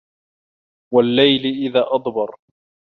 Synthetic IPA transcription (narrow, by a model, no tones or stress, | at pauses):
walːajlɪʔɪðaːʔɑd̪ˤbɑɾˤ